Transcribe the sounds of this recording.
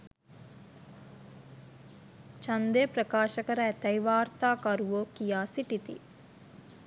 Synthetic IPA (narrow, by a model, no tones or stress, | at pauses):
t͡ʃɐnd̪eːpɾɐkaːʃɐkɐɾɐːt̪ɐjʋaːɾt̪aːkɐɾuʋoːkijaːsiʈit̪ḭ